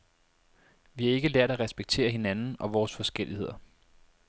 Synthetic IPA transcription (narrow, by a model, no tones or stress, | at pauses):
ʋihɑe̝ɡ̥əlæɐ̰ɾ̥æʁɛsb̥eɡ̥̚t͡sʰe̝̰ːɐɦe̝nænn̩ɒ̽ʋɒːsfɒ̽sɡ̥el̰ihe̝ð̞̰ˠɐ